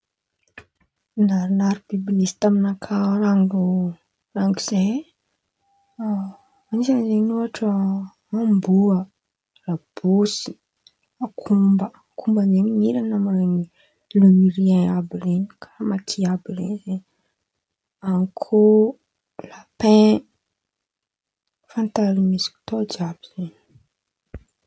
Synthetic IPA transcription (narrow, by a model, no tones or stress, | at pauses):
naɾinaɾib̥ibinisi̥t̪aminakʰaɾaŋɡu | raŋɡiz̥e | anisanzenuaʈ͡ʂə | ambuə | rab̥usi̥ | akʰumbə | kʰumbaneminiɾanamaɾeni | lumiɾiẽabireni̥kʰaamat̪ʰiabirḛnizen | aŋkʰo | lapẽ | fãnt̪alimisi̥ki̥t̪od͡ʒabiz̥eni̥